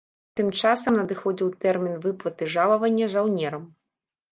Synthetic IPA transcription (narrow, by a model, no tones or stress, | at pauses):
t̪ɨmt͡ʂasɐmnɐd̪ɨxɔd͡zʲiwt̪ɛrmʲinvɨplˠɐt̪ɨʐalˠɐvɐnʲːɐʐawnʲɛɾɐm